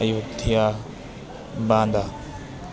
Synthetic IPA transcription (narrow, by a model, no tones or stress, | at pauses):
ɐjuɡt̪ʰija | bãːnd̪a